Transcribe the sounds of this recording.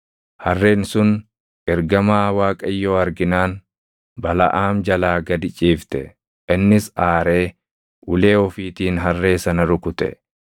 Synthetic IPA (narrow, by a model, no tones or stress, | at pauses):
hɐrːe̞ːnsʊn | ʔɛɾɡɐmaːwaːkʼɐɪjːoːɐɾɡɪnaːn | bɐlɐ̰ʔaːmd͡ʒɐlaːɡɐd̪ɪt͡ʃʼiːft̪ɛ | ʔɪnːɪsaːɾe̞ː | ʔʊle̞ːɔfiːt̪iːnɦɐrːe̞ːsɐnɐɾʊkʊt̪ʼɛ̰